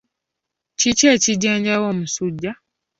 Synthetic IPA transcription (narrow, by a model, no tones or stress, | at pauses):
cit͡ʃeːciɟaːɲɟawoːmusuɟːa